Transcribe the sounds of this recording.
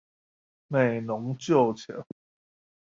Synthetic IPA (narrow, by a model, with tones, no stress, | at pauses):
me˥˨˩ɪnʊ˨˧˦ŋt͡ɕjo˥˨ʊt͡ɕʰɛ̰˨˥˦